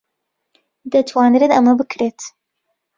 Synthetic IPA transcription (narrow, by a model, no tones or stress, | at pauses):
d̪ɐt̪ʰwaːnɨɾenɐmɐbɨkʰɾeːt̪